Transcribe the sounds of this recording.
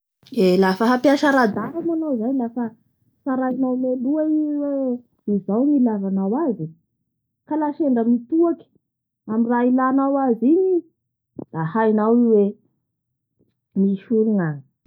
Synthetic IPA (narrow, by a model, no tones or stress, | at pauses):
elafəɦapiaʃaɾad̪aɾamanawzaɲilafə | faɾajnawmeluaiwe | izawnilavanawazi | kalaʃeɳɖ͡ʐəmit̪uaki̥ | amirailanawaziɲi | d̪ahajnawiwe | miʃuluna